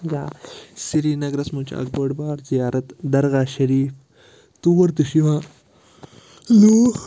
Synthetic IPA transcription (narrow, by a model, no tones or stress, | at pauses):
d͡ʒasiɾiːnɐɡɾɐsmũːt͡ʃʰa̰ɐ̰ɡ̚bɐɽbaːɾzijaːɾɐt̪d̪ɐɾɣaːʃɐɾiːf | t̪uʋɐɾt̪uʃiʋaː | lu